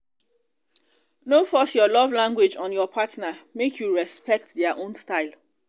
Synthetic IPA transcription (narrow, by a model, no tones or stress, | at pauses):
nofɔsjɔlɔvlãŋɡwed͡ʒɔ̃njɔpʰatnamekʰjuɹɛspɛk̚tðɛəʔõnstaɪlˠ